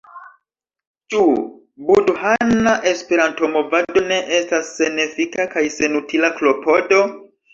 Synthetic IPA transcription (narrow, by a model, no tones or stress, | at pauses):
t͡ʃu | budhanaʔe̞spe̞ɾanto̞mo̞vado̞ne̞ʔe̞stasːe̞nefikakajse̞nutʰilaklo̞po̞do̞